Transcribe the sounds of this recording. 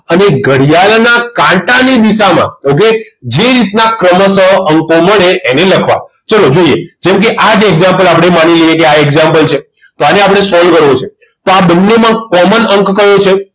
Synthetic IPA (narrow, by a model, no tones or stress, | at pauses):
əneɡʱəɽijalnakãʈanid̪isamã̰ok̬ed͡ʒeɾit̪nakɾəməsəɦəŋkoməɭeʔeneləkʰʋa̰ | t͡ʃəlod͡ʒoijed͡ʒɛmkeʔad͡ʒeɡzãmpəlapəɽ̃emanilijekeaeɡzãmpəlt͡ʃʰe | t̪oaneapɽ̃esɔlkəɾʋot͡ʃʰe | t̪oabənːemãkɔmənəŋkkəɦjot͡ʃʰe